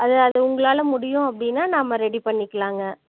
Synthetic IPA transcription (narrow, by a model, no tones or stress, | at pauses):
ʔɐðɯɐðɐʊŋɡɐɭaːlɐmʊɽɪjʊ̃ɐpːɐɽɪnːaːnaːmɐɾɛɽipɐɳːɪkːɐɭaːŋɡɐ